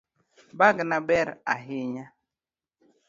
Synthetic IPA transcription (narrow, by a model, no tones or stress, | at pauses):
baɡnabɛɾa̰ɦiɲa